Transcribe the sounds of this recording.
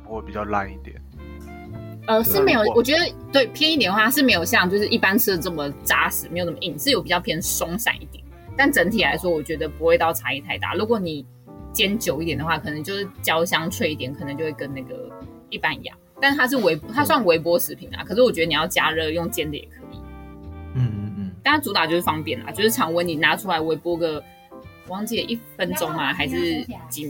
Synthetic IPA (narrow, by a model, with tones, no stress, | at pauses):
xwe˥˩pi˨˩t͡ɕɑ˥˧ʊla̰˥˧ni˥˩t̪jɛ˨˩˦ | ə˧ʂɻ̩˥˩me˧˥ɪjo˨˩wɔ˨˩t͡ɕɥɛ˧˥d̪ə˧t̪we˥˩ɪpʰjɛ˥˧ni˥˩t̪jɛ˨˩nə˧xwa˥˧ʂɻ̩˥˩m˧˥ɪjo˨˩ʊɕjɑ˥˧ŋt͡ɕjo˥˧ʊʂɻ̩˥ʔi˥˩pa˥nt͡sʰɻ̩˥d̪ə˨˩ʈ͡ʂə˥˩mə˩ʈ͡ʂa˥ʂɻ̩˨˩me˧˥ɪjʈ͡ʂɤ˥mə˧i˥˩nʂɻ̩˥˩jo˥ʊpi˨˩t͡ɕjɑ˥˩ʊpʰjɛ˥nʂʊ˥ŋɕa̰˨˩ŋʔi˥˩t̪jɛ˨˩n | t̪a˥˩nʈ͡ʂə˧˥nt̪ʰi˨˩la˧˥ɪʂwɔ˥wɔ˨˩t͡ɕɥɛ˧˥d̪ə˧pu˧˥xwe˥˧ɪt̪ɑ˥˩ʊʈ͡ʂʰa˧˥i˥˩t̪ʰa˥˧ɪt̪a̰˥˩lu˧˥kwɔ˨˩ni˨˩ | t͡ɕjɛ˥nt͡ɕjo˨˩ʊi˥˩jɛ˨˩nd̪ə˩xwa˥˩kʰɤ˨˩ə˧˦ŋt͡ɕjo˥˧ʊʂɻ̩˥˩t͡ɕjɑ˥ʊɕjɑ˥ŋʈ͡ʂʰwe˥˧ɪi˥t̪jɛ˨˦nkʰə˨˩nə˧˦ŋt͡ɕjo˥˧ʊwe˥˩ɪkə˦na˥˩ɡə̰˩ | i˥˩pa˥˩n˨˧jɑ̰˨˩˦ŋt̪a˥˧nt̪ʰa˥ʂ̬ɻ̩˥˩we˧˥ɪpt̪ʰa˥s̬wa˥˩nwe˧˥ɪp̬wɔ˥ʂɻ̩˨˧˩pʰi˨˧˦nla̰˨kʰʂɻ̩˥˩wɔ˨˩t͡ɕɥɛ˧˥də˧ni˨˩jɑ˥˩ʊt͡ɕja˥ɻɤ˥˧jʊ˥˧ŋt͡ɕjɛ˥˧nd̪ə˧jɛ̰˨˩kʰɤ˧˦ḭ˨˥˦ | a˥˩a˥t͡su˧˥t̪ɑ˨˩t͡ɕjo˥˧ʊʂɻ̩˥˩fɑ˥ŋpjɛ˥˩nla̰˨˩t͡ɕjo˥˧ʊʂɻ̩ʰ˥˩ɑ˧˥ŋwə˧˦˥ni˨˩na˧˥ʈ͡ʂʰu˥la˧˥ɪwe˧˥ɪpwɔ˥ɡə˨ | wɑ˥ŋt͡ɕi˥˩ə˨ʔi˥˩fə˧nʈ͡ʂʊ˥ŋma˨xa˧˥ɪʂɻ̩˥˩t͡ɕi˨˩